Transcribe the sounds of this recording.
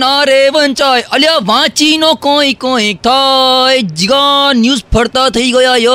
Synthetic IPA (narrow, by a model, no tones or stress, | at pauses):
naːɾeʋənt͡ʃaːjɐljaːʋãːt͡ʃiːnõːkõːikõːẽːk̚t̪ʰaed͡ʒiɡanjuːzpʰɐɾt̪aːt̪ʰɐiɡɐjaːjɐ